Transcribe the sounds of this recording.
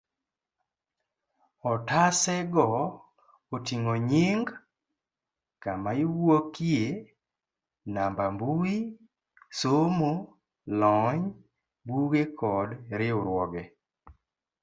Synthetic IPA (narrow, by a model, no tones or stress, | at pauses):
ɔtasɛɡɔ | otiŋoɲɪŋɡ | kamaɪwokje | nambambui | somo | lɔɲ | buɡekʰɔdɾɪʊɾwɔɡɛ